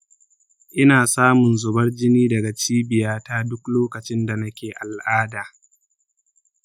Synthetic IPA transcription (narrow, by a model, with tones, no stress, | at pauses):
ʔɪ˦naː˨saː˦mʊ˨nzʊ˨bɐ˦rd͡ʒɪ˦niː˦dɐ˨ɡa˨t͡ʃiː˦bɪ˨jaː˦taː˦dʊ˦kloː˦kɐ˨t͡ʃɪ˦nda˨nɐ˦kʲeː˨ʔa˨lʔaː˦daː˨